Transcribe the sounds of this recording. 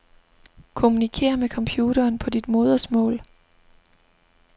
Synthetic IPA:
kʰo̝munikʰe̝̰ːɐmekʰɒ̽mpʰjuːɾ̥ɐːnpʰɒ̽d̥id̥mo̝ːð̞ˠɐsmɔ̰̽ːl

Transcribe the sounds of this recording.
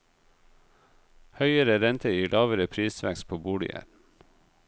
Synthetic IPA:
hœʏəɾəɾɛnt̪ʰəjiːlʔɑːʋəɾəpʰɾiːsʋækspʰoːbuːɽɪ̰æ̰ɾn̩

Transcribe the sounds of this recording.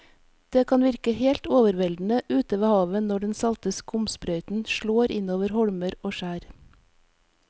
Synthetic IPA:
d̪̥eːkʰɑːnʋɪɾkəheːlt̪oːʋəɾʋɛld̪n̩əʔʉːt̪əʋeːhɑːʋənɔɖɛnsɑlt̪əskʊmsbɾœʏt̪n̩ʃɭoːɾɪnoːʋəɾhɔɽməɾoːʃæːɾ

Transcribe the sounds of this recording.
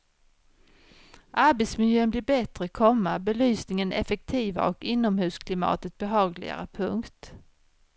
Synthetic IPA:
ʔaɾbɛt̪smɪljøːənblɪːɾbɛt̪ɾəkʰɔmːabɛlyːsnɪŋənɛfɛk̚t̪ʰiːva̰ʔɔkɪnːɔmhʉ̟ːskʰlɪmɑ̰ːt̪ət̪̚bɛɦɑːɡlɪ̰ɡa̰ɾəpʰɵŋkt̪

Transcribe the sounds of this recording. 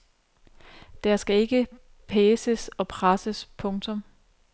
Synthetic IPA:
d̥æɐsɡ̥æe̝ɡ̥ə | pʰɛːsəsɒ̽pʰʁasəspʰɔ̽ŋt͡sʰɔ̽m

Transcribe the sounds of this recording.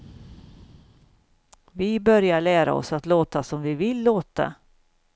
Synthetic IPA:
vɪbœɾjaɭæːɾa̰ɔ̰sat̪loːt̪asɔmvɪvɪlːoːt̪a̰

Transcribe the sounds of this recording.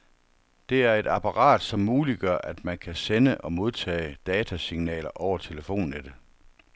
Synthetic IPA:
d̥e̝æɐe̝dɑpʰɑ̈ʁɑ̰̈ːd̥sɒ̽mːuːliɡ̥ɶɐʔæd̥mænkʰæsenəʔɒ̽mo̝ð̞ˠt͡sʰɛ̰ːd̥ɛːt͡sʰæsiŋnɛ̰ːlɐʔɒʊɐt͡sʰe̝ləfo̝̰ːnːed̥ə

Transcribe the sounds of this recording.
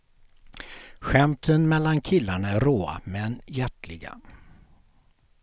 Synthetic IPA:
ɧɛmt̪ʰənmɛlːankʰɪlːaɳaæɾoːa̰mɛnjæʈlɪɡa̰

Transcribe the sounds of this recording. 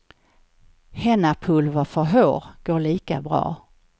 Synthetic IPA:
hɛnapʰɵlvafœɾɦøːɾɡ̥oːɭiːkabɾɑ̰ː

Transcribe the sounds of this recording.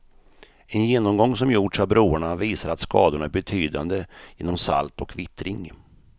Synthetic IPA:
ɛnjeːnɔmɡɔŋːs̬ɔmjuʈʂavbɾuːəɳaviːsaɾat̪skɑːd̪ʊɳæɾbɛt̪ʰyːd̪a̰nd̪əjɪnːɔmsa̰lt̪ɔkvɪt̪ɾɪŋ

